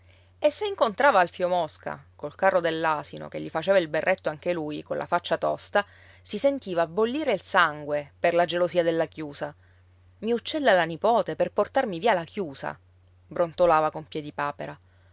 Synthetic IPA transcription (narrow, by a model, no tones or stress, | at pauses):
esːeiŋkont̪ɾaːvaːlfjomɔska̰kolkarːod̪elːaːsino̰k̟eʎːifat͡ʃeːvailberːʔet̪ːoaŋk̟elujkonlʔa̰fat͡ʃːat̪ɔst̪a | sisent̪iːvaːbːolːiːɾeilsaŋɡweperlad͡ʒelosiːad̪elːakjuːsa | miut͡ʃːɛlːalanipɔːt̪eperport̪armiviːalakjuːsa̰ | bɾont̪olaːvakompjɛːd̪ipaːpeɾa